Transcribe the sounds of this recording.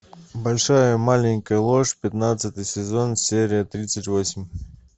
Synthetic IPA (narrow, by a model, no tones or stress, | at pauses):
bɐlʲʂajəmalʲɪnʲkəjəlˠoʂpʲɪt̪nat̪sɨt̪ɨjsʲɪzo̞nsʲeɾʲɪjət̪ɾʲit̪sətʲvosʲɪmʲ